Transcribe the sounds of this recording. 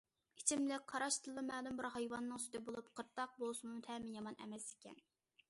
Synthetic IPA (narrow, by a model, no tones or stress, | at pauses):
it͡ʃʰimlɪk̚ʲqʰɑɾɑʃt̪ʰɨlˠːɨmɛːlumbɨɾhɑjwɑnːɨŋsy̥t̪ɪbolˠupqʰəɾt̪ːɑq̚bolˠsɨmut̪ʰɛmɪjɑmɑnʔɛ̰mɛsi̥kʲɛ̰n